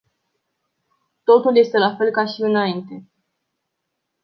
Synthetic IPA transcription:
t̪o̞t̪ulje̞st̪e̞lafe̞lkaʃiɨnaint̪e̞

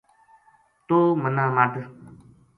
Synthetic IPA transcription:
t̪oːmənaːmad̪

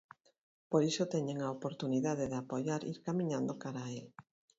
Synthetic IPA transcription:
poɾisot̪ɛɲeŋaopoɾt̪uniðað̞eðɪapoʎaɾḭɾkamĩɲãnd̪okaɾael

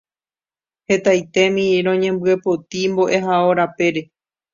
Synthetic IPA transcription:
he̞t̪ajt̪e̞mĩɾõɲẽ̞mbɨe̞pot̪imbo̞ʔe̞ɦaoɾape̞ɾe̞

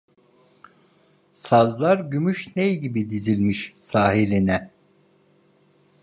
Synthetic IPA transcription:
sazlˠaɾɟymyʃnejɟibid̪izilʲmiʃsaːɦilʲinɛ

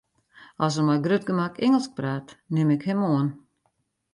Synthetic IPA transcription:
ɔsəmajɡrøt̚ɡəmakɪŋəlˠsk̚praːtnɪmɪkhɪmoən

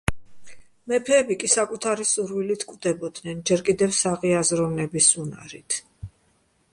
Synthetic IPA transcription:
mɛpʰɛːbikʼisakʼut̪ʰaɾisuɾvilit̪ʰkʼvd̪ɛbɔd̪nɛnd͡ʒɛɾkʼid̪ɛfsaʁiazɾɔvnɛbisuna̰ɾit̪ʰ

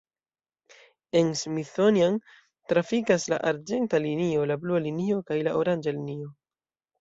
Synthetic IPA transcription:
e̞nsmiθonian | tɾafikasla̰ʔaɾd͡ʒe̞ntalinio̞lablualinio̞kajlaʔoɾand͡ʒalinio̞

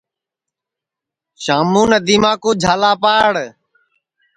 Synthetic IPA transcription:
ʃaːmuːnəd̪iːmãːkoːd͡ʒʱaːlaːpaːɽ

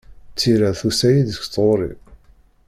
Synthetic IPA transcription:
t͡sːiɾæθusæjiðəç̥t͡sˤoɾˤḭ

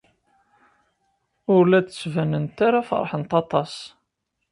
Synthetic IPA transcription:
ʊɾlæd̪t͡sːvænənt̪aɾafə̰ɾˤħənt̪ɑt̪ˤɑs

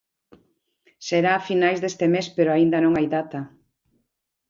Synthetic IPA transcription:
seɾaːfinajzðest̪emespeɾoaind̪ɐnõŋajðat̪ɐ

